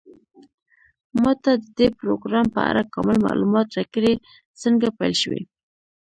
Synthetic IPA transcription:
mɑt̪ad̪əd̪epɾoɡɾɑmpəa̰ɾakɑmɪlma̰lumɑt̪ɾakəɽe | səŋɡapajlʃwḛ

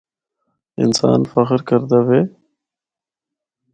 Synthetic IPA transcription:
ɪ̰nsɑ̰ːnfaxɾkəɾd̪awe

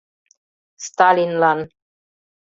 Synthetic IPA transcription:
st̪alinlan

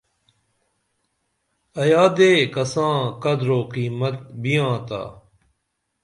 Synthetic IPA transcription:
ɐjaːd̪eːkɐsãːkɐd̪ɾoːqiːmət̪̚bijãːt̪a̰ː

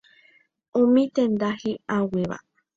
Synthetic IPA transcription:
ũmĩt̪ẽnd̪ahiaweʋa̰

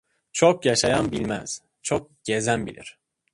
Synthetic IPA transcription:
t͡ʃʰok̚jaʃajanbilʲmæ̰z̥ | t͡ʃʰok̚ɟ̥e̞zænbḭlʲḭɾ̥

